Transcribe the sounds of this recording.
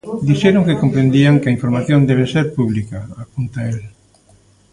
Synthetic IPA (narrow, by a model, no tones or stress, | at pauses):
d̪iʃeɾoŋkekompɾẽnd̪iaŋkeɐiɱfoɾmaθjõnd̪eβ̞eseɾpuβlikaapunt̪ael